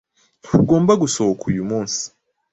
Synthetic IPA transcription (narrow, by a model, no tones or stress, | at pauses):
huɡo̞ːmbaɡusohokʰujumuːnsi̥